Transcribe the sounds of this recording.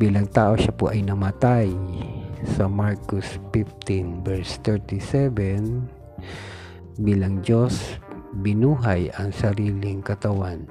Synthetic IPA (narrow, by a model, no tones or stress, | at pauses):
b̥iːlɐŋt̪aːʔoʃapoʔɐjnɐmɐt̪aj | sɐmaɹkʊspift̪ɪnbɛɹst̪ɛɹt̪ɪsɛvɛn | biːlɐŋd͡ʒosbɪnuːɦajɐŋsɐɾiːlɪŋkɐt̪ɐwan